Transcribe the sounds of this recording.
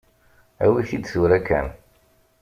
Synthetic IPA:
æ̰wiθid̪suɾækːæ̰n

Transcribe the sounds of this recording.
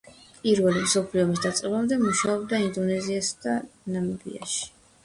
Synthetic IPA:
pʼiɾvɛlimsɔpʰliɔmisd̪at̪sʼɛlamd̪ɛmuʃaɔb̚d̪aind̪ɔnɛziasad̪̥anamɛbḭa̰ʃi̥

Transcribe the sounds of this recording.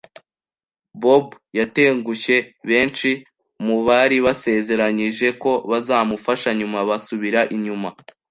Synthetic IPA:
bobjate̞ːŋɡuçe̞βe̞ːnt͡ʃi | muβaɾiβase̞ze̞ɾaɲiʒe̞ko̞βazaːmufaʃaɲumaβasuβiɾaʔiɲuma

